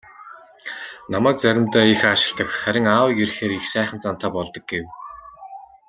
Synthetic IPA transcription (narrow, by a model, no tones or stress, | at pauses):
namæːk̚t͡sæɾʲɪ̆mt̪æːixaʃɪ̆ɮt̪ə̆kχæɾʲɪ̆ŋaːwɡerxeːɾixsæːχə̆n̥t͡sant̪ʰaːpɔɮt̪ɞ̆k̚ɡew